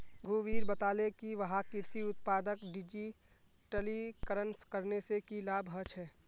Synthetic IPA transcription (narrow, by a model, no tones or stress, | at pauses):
ɡʱuʋiːɾbət̪aːlekiʋɐɦakɪɾsiʊt̪̚paːd̪əkɖid͡ʒi | ʈəlikəɾənskəɾnesekilaːbʱɦət͡ʃɦɛː